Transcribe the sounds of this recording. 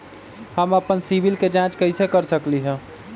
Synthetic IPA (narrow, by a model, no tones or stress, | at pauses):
həməpənsibilked͡ʒãt͡ʃkəɪsekəɾsəkliɦɛ̃